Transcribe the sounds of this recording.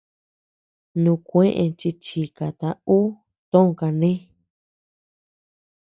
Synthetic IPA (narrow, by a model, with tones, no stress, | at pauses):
nũ˧kʷẽ˦ʔẽ˧t͡ʃi˧t͡ʃi˨ka˨t̪a˧u˦ | t̪õ˦õ˧ka˧nẽ˦